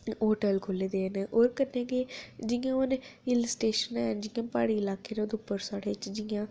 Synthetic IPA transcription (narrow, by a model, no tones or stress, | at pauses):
oːʈəlkʰoːleːd̪eːneʔoːɾkəɾnẽːɡeːd͡ʒɪjãːonɪlsʈeːʃənɛːnd͡ʒɪːãːpaːɽiːɪlaːkeːneod̪ʊpːəɾsaːɽeːt͡ʃd͡ʒɪjãː